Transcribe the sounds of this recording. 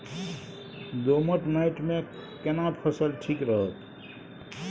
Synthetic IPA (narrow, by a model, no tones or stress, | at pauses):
d̪oməʈnaɪʈmẽkenapʰəsəlʈʰikɾəɦət̪